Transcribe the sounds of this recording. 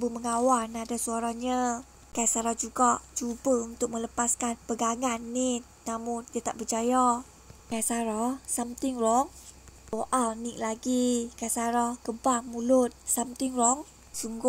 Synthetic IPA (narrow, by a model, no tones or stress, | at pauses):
buməŋawanadasuaɾaɲa | kajsaɾahd͡ʒuɡaʔt͡ʃubəunt̪ʊk̚mələpaskanpəɡaŋanːi | namʊndiat̪aʔbərt͡ʃaja | kajsaɾahsamt̪ɪŋrɔŋ | t̪oʔalnɪʔlaɡikajsaɾahkəbamulʊt̪̚samt̪ɪŋrɔŋ | suŋɡʊ